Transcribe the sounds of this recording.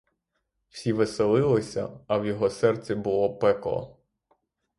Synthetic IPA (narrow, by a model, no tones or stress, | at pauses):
w̥sʲiʋɪselˠɪlˠɪsʲɐ̰ɐwjɔɦɔsɛrt͡sʲibʊlˠɔpɛklˠɔ̰